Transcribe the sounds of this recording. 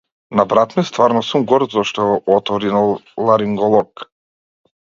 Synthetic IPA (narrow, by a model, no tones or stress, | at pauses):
nabɾat̪mist̪vaɾnɔsumɡɔɾt̪zɔʃt̪ɔɔɔt̪vɔɾinalˠaɾiŋɡɔlˠɔk